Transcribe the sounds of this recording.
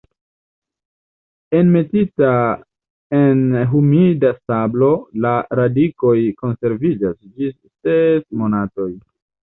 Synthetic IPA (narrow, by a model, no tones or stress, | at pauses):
e̞nme̞tita | e̞nɦumidasablo̞laɾadiko̞jko̞nse̞ɾvid͡ʒasd͡ʒisːesmo̞nato̞j